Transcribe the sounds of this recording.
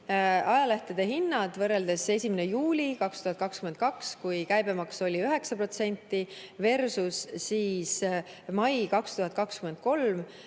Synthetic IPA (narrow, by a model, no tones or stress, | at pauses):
ɑjɑleht̪ed̪̥e̞ɦinːɑd̪̥vɤrːe̞ld̪̥e̞se̞sʲimenejuːlʲikɑkst̪uhɑt̪̚ˑkɑkskymet̪̚kɑkskujkæjbe̞mɑkso̞lʲiøɦe̞ksɑpro̞t̪se̞nʲt̪ːˑive̞rsussiːsmɑjkɑkst̪uɦɑt̪̚ːˑkɑkskyme̞nd̪̚ko̞lm